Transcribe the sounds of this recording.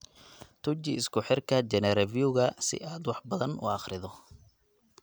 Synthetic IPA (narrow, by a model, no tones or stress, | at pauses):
t̪ʰʊt͡ʃiɪskʰʊħɪrkʰɐd͡ʒɛnɛɾɛvjuɣɐsɪ̰ʔaːd̪wɑħbɐðɐnṵːɑχrɪðɔ